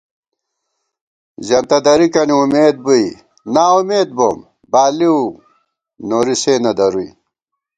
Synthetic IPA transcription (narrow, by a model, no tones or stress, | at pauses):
zɐnt̪ɐd̪ɐɾikɐniumeːd̪̚bui | naːumeːd̪̚bom | baːliu | noːɾiseːnɐd̪ɐɾuḭ